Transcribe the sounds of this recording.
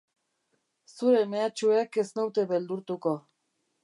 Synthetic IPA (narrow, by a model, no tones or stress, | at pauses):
suɾe̞meat͡ʃuekeznewt̪e̞βe̞ld̪uɾt̪uko̞